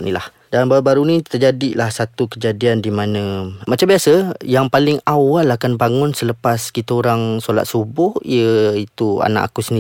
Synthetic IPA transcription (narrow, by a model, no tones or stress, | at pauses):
nḭlah | danbaɾubaɾunĩt̪ərd͡ʒadilahsat̪ukəd͡ʒadiandimanə̃mat͡ʃambiasəjaŋpalɪŋawalakanbaŋʊnsələpaskit̪aoɾaŋsola̰t̪̚subʊhḭəit̪ua̰na̰ʔa̰kusəni